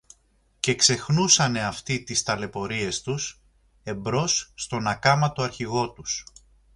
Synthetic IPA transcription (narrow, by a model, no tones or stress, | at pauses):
ce̞kse̞xnusɐne̞ɐft̪it̪ist̪ɐle̞po̞ɾie̞st̪us | e̞mbɾo̞sːt̪o̞nɐkɐmɐt̪o̞ɐɾçiɣo̞t̪us